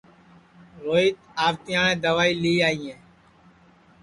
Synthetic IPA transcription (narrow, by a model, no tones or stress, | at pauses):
ɾoːiːt̪aːʋt̪ɪjãːɳẽːd̪əʋaːiːliːaːĩːɛ̃ː